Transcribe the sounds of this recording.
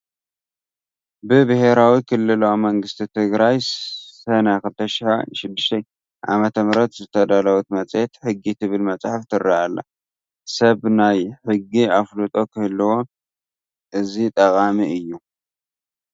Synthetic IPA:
bɨbɨhe̞ɾawikʰɨlːɨlomɐŋɡɨst̪ʰit̪ʰɨɡɾajsɐnakɨlt̪ʰɐʃɪħʃɪd̪ːɨʃt̪ʰɐj | ʔa̰mɐt̪ʰɐmɾɐt̪zɨt̪ʰɐd̪alɐwut̪mɐt͡sʼjet̪ħɨɡːit̪ʰɨβɨlmɐt͡sʼħaft̪ʰɨrːaʔalːa̰ | sɐβnajħɨɡːiaflut̪ʼo̞kʰɨhɨlːɨwo̞ | ʔɨzit̪ʼɐkʼamiɨjːu

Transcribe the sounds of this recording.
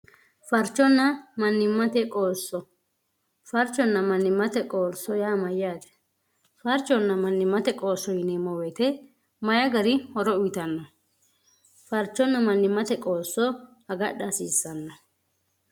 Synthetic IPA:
fɐɾt͡ʃːɔnːɐmɐnːɪmːɐt̪ɛkʼoːsːɔ | fɐɾt͡ʃːɔnːɐmɐnːɪmːɐt̪ɛkʼo̞ːɾsːɔjaːmɐjaːt̪ɛ̥ | fɐɾt͡ʃːɔnːɐmɐnːɪmːɐt̪ɛkʼo̞ːsːɔjɪnɛmɔwɛːt̪ɛ | mɐjɐɡɐɾɪhɔɾɔʊjt̪ɐnːɔ | fɐɾt͡ʃːɔnːɐmɐnːɪmːɐt̪ɛkʼo̞ːsːɔhɐɡɐɗɐsiːsːɐnːɐ

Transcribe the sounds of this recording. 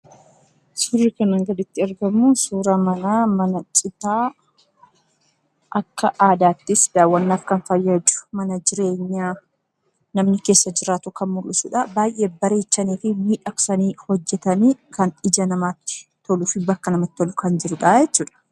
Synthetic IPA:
sʊrːɪkɐnɐŋɡɐd̪ɪt̪ːɪɐɾɡɐmːusuːɾɐmɐnaːmɐnɐt͡ʃʼɪt̪aː | ʔɐkːɐʔaːd̪aːt̪ːɪsd̪aːwːɐnːaːfkɐnfɐjːɐd͡ʒʊ̥mɐnɐd͡ʒɪɾe̞ːɲːaː | nɐmnɪke̞ːsːɐd͡ʒɪɾaːt̪ʊkɐnmʊlʔʊsuːᶑɐbaːjʔe̞ːbɐɾe̞ːt͡ʃːɐniːfɪmiːᶑɐksɐniːhɔd͡ʒːɛt̪ɐniːkɐnᶑɪd͡ʒɐnɐmaːt̪ːɪ̥t̪ɔlufɪbɐkːɐnɐmɐt̪ːɔlʊkɐnd͡ʒɪɾʊᶑaːjɛt͡ʃːuːᶑɐ̥

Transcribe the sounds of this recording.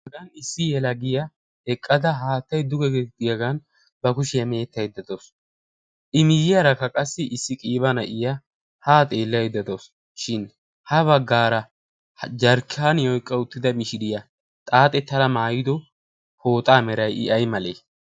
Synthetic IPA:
ɐɡɐnɪsːɪjɛlɐɡɪjɐ | ɛkʼːɐd̪ɐɦaːt̪ːɐjd̪ʊɡɛɡɛd̪ɪjɐɡɐn | bɐkʊʃɪjɐme̞ːt̪ːɐjd̪ːɐd̪ɔs | ʔɪmɪjɪjɐɾɐkːɐkʼɐsːɪʔɪsːɪkʼiːbɐnɐʔɪjɐ | haːt̪ʼe̞ːlːɐjd̪ɐd̪ɔs | ʃɪn | hɐβɐɡːaːɾɐ | d͡ʒɐɾkːaːnjɔjkʼːɐʊt̪ːɪd̪ɐmɪʃɪd̪ɪjɐ | t̪ʼaːt̪ʼɛt̪ːɐlɐmaːjɪd̪ɔ | ho̞ːt̪ʼaːmɛɾɐjɪ̰ʔɐjmɐleː

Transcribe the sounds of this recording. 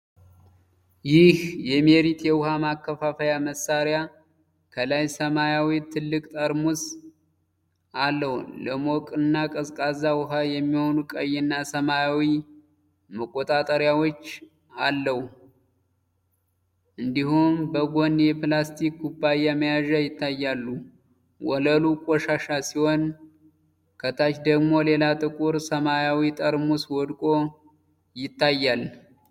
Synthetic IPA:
jɪhjɛmeɾit̪jɛwʊhamakːəfafəjaməsaɾja | kʰəlajsəmajawit̪ʰɨlːɨkʼt̪ʼəɾmus | ʔalːəwləmokʼɨnːakʼəzkʼazawʊɦajɛmːiho̞nukʼəjɪnːasəmajawi | məkʼːot̪ʼat̪ʼəɾjawot͡ʃː | alːəhu | ʔɨnd̪ihumbəɡo̞njɛplast̪ʰikɡubːajaməjaʒajɪt̪ʰːajːalːu | wɔləlukʼɔʃaʃasihon | kʰət̪ʰat͡ʃd̪əɡmo̞le̞lat̪ʼɨkʼuɾsəmajawit̪ʼəɾmuswɔd̪kʼo̞ | jɪt̪ːajːal

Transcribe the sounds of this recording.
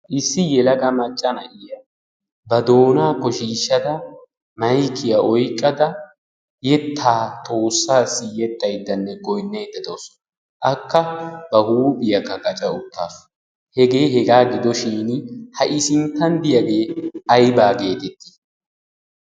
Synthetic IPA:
ʔɪsːɪjɛlɐɡɐmɐt͡ʃʼːɐnɐʔɪjɐ | bɐd̪o̞ːnaːkɔʃiːʃːɐd̪ɐ | mɐjkʰːɪjɐʔɔjkʼːɐd̪ɐ | jɛt̪ʰːaːt̪ʰʼo̞ːsːaːsːɪjɛt̪ːɐjd̪ːɐnːɛɡɔjnːɐjd̪ːɐd̪osɔ̥ | ʔɐkːɐbɐhuːbɪjɐkːɐɡʼɐt͡ʃʼɐʊt̪ːa̰ːf | hɛɡe̞ːhɛɡaːɡɪd̪ɔʃiːnhɐʔɪsɪnt̪ːɐnd̪ɪjɐɡe̞ːɐjbaːɡe̞ːt̪ɛt̪ːi̥

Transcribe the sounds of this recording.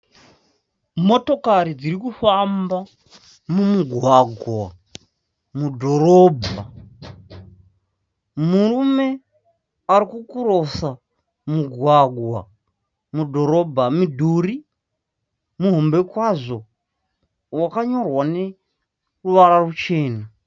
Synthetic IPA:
mo̞to̞kaɾid͡ziɾikufamba | mumuɡʱwaɡʱwa | mudʱo̞ɾobʱa | muɾume̞ | aɾikukuɾo̞sa | muɡʱwaɡʱwa̰ | mudʱo̞ɾo̞bʱamidʱuɾi | muɦo̞mbe̞kwaʐo̞ | wakaɲo̞rwane̞ | ruʋaɾarut͡ʃe̞ːna

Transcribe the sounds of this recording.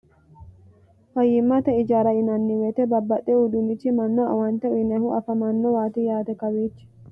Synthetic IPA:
fɐjːɪmːɐt̪ɛɪd͡ʒaːɾɐɪnɐnːɪwɛt̪ɛbɐbːɐt̪ʼːɛʊd̪ʊmɪt͡ʃːɪmɐnːoɐwɐnt̪ɛɪnɛhʊʔɐfɐmɐnːowaːt̪ɪjaːt̪ɛkɐweːt͡ʃːɪ̥

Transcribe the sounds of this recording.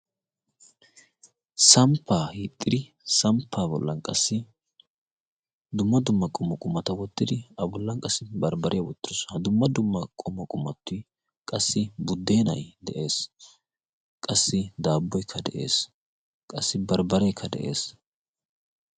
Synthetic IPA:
sɐmpʰːaːhit̪ʼːɪd̪ɪ | sɐmpʰːaːbɔ̰lːɐnkʼɐsːɪ | d̪ʊmːɐd̪ʊmːɐkʼʊmːɐkʼʊmːɐt̪ɐwɔt̪ːɪd̪ɪɐbɔlːɐnkʼɐsːɪbɐɾbɐɾʔɪjɐwɔt̪ːɪɾɔshɐd̪ʊmːɐd̪ʊmːɐkʼʊmːɐkʼʊmːɐt̪ːʊj | kʼɐsːɪbʊd̪ːe̞ːnɐ̰jd̪ɛʔe̞ːs | kʼɐsːɪd̪aːbːɔjkʰːɐd̪ɛ̰ʔḛːs | kʼɐsːɪbɐɾbɐɾɛjkʰːɐd̪ɛ̰ʔe̞̰ːs

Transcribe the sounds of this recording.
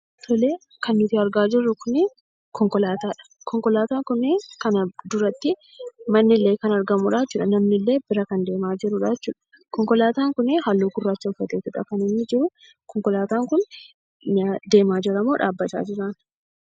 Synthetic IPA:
t̪ʰɔleː | kɐnːʊt̪ɪɐɾɡaːd͡ʒɪrːʊkʊnɛ | kɔŋkɔlaːt̪aːᶑɐ̥ | kɔŋkɔlaːt̪aːŋkʊnɛkɐnɐd̪ʊɾɐt̪ːɪ | mɐnːɪlːeːkɐnɐɾɡɐmʊᶑaːt͡ʃːuːᶑɐnɐmnɪlːe̞ːbɪɾɐkɐnd̪e̞ːmaːd͡ʒɪɾʊᶑaɛt͡ʃːuːᶑɐ̥ | kɔŋkɔlaːt̪aːŋkʊneɦɐlːuːɡʊrːaːt͡ʃːɐʊfːɐt̪eːt̪ʊᶑɐ̰kɐnɪnːɪd͡ʒɪɾʊ | kɔŋkɔlaːt̪aːŋkʊn | d̪e̞ːmaːd͡ʒɪɾɐmoːᶑaːbːɐt̪a̰ːd͡ʒɪɾaːn

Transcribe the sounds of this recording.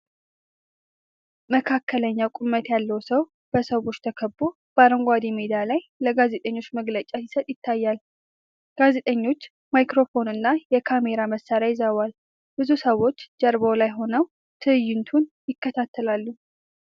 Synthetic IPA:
məkʰakːələɲːawkʼʊmət̪jalːəwsəw | b̥əsəwo̞t͡ʃːt̪ʰəkʰəbːo | b̥aɾəŋɡʷad̪imed̪alajləɡaze̞t̪ʼəɲːo̞t͡ʃːməɡlət͡ʃʼasɪsət̪ʼjɪt̪ʰːajːal | ɡ̥aze̞t̪ʼəɲːo̞t͡ʃː | majkɾo̞fo̞nɨnːajɛkʰame̞ɾaməsːaɾjajɪzəwal | b̥ɨzusəwo̞t͡ʃːd͡ʒəɾbolajɦo̞nəw | t̪ʰɨɨjːɪnt̪ʰunjɪkːət̪ʰat̪ːəlalːu

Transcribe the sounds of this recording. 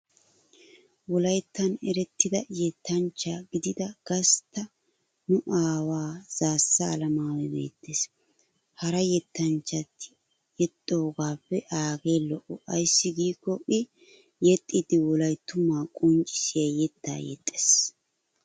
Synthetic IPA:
wɔlɐjt̪ːɐnɛɾɛt̪ːɪd̪ɐjɛt̪ːɐnt͡ʃːaɡɪd̪ɪd̪ɐɡ̥ɐst̪ːɐ | nʊʔaːwaːz̥aːsːɐːlɐmaːwɛbḛːt̪ːeːs | hɐɾɐjɛt̪ːɐnt͡ʃːɐt̪ːɪ̥ | jɛt̪ʼːo̞ːɡaːpːɛʔaːɡeːlɔʔɔʔɐjsːɪɡiːkːɔʔɪ | jɛt̪ʼːid̪ɪwɔlɐjt̪ːʊmaːkʼɔnt͡ʃʼɪ̥sɪjɐjɛt̪ʰːa̰ːjɛ̰t̪ʼːe̥ːs

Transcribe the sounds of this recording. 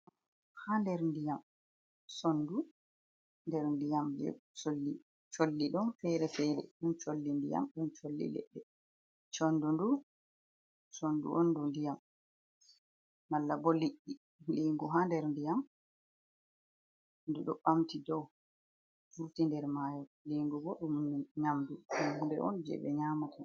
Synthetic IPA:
handɛɾndijam | sonːdu | ndɛɾndijamjɛ̰solːi | t͡ʃolːiɗɔnfɛɾɛfɛɾɛ̰ɗunt͡ʃolːindḭja̰mɗunt͡ʃolːḭlɛ̰ɗːɛ | t͡ʃonːdundu | sondṵʔondundijam | alːabɔliʔːi | liŋɡuɦandɛɾndijam | nduɗɔɓamtidɔw | fuɾtindɛɾmaːjɔliŋɡubɔɗumɲamdut͡ʃɔndundɛ̰ʔɔ̰nd͡ʒɛ̰ɓɛɲaːmatʰa

